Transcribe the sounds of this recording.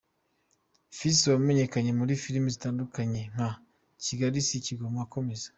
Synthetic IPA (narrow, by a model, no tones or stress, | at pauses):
fiswameɲe̞kaɲe̞muɾifiɾmizitaːndukaɲe̞ŋ̥ha | ciɡaɾisiciɡomoako̞me̞zḁ